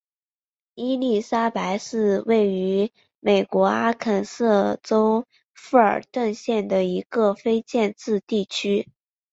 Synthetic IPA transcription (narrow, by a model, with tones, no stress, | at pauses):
i˥li˥˩sa˥pa˧˥ɪʂɻ̩˥˧we˥˩ɪy˧˥ | me˨˩ɪkwɔ˧˥a˥kʰə˨˩nsɤ˥˩ʈ͡ʂo˥ʊ | fu˥˩ə̰˞˨˩t̪wə˥˧nɕjɛ˥˩nd̪ə˩i˧˥ɡə˧fe˥ɪt͡ɕjɛ˥˧nt͡sɹ̩˥˧t̪i˥˩t͡ɕʰy˥